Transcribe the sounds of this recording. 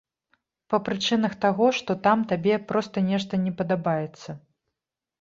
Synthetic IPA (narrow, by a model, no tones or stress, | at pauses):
pɐpɾɨt͡ʂɨnɐxt̪aɣɔʂt̪ɔt̪amt̪abʲɛpɾɔst̪ɐnʲɛʂt̪ɐnʲɛpɐd̪abajɛt̪sːɐ